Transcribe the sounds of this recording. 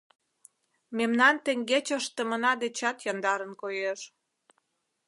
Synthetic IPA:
memnɑnt̪eŋɡet͡ɕəʃt̪əmənɑd̪et͡ɕɑt̪jɑnd̪ɑɾənkojeʃ

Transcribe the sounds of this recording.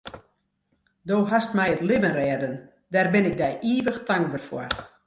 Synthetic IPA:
doːɦastmɛjətlɪbənrɛːdən | dɛrbɪnɪk̚dɛjʔiːʋəxtaŋɡ̚bərfɔ̰r

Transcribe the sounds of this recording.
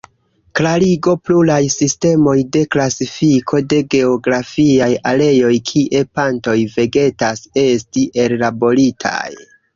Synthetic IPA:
klaɾiɡo̞plulajsiste̞mo̞jde̞klasifikʰo̞de̞ɡe̞o̞ɡɾafiajale̞jo̞jkʰiʔe̞panto̞jve̞ɡe̞tase̞stiʔe̞llabo̞ɾitʰa̰j

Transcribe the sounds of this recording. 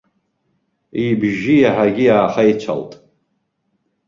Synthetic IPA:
ibʒijaħaɡʲijaːχait͡ʃʷʰa̰ltʼ

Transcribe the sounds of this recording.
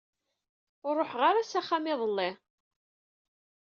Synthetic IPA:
ʊɾˤːoħʁaɾasæχamɪðˤəlːɪ

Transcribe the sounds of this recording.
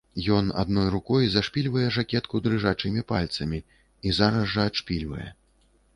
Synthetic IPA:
jɔna̰d̪nɔjrukɔjzaʂpʲilʲvɐjɛʐakʲɛt̪kud̪ɾɨʐat͡ʂɨmʲipalʲt̪sɐmʲi | izaɾɐzʐɐːʂpʲilʲvɐ̰jɛ̰

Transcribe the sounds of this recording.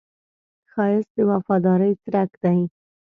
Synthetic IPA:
xɑjɪsd̪əwafɑd̪ɑɾəjt͡sɾakd̪aj

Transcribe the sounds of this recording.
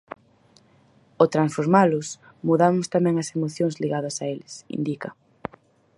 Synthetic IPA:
ot̪ɾansfoɾmalʊs | muðamʊst̪amɛ̃ŋɐsemoθjoŋzliɣaðɐsaelɪsḭnd̪ikɐ

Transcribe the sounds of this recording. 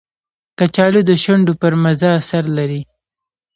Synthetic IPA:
kat͡ʃɑlod̪əʃaɳɖopəɾmazɑsaɾlaɾi

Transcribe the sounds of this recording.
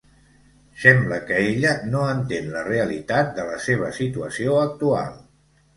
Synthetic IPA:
sɛmbləkəeʎənoənt̪enləreəlit̪at̪̚d̪ələseβ̞əsit̪uəsioək̚t̪ua̰lˠ

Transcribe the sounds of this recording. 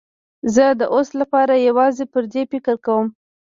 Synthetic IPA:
zəd̪əʔoslapɑɾajawɑzepəɾd̪efɪkəɾkawəm

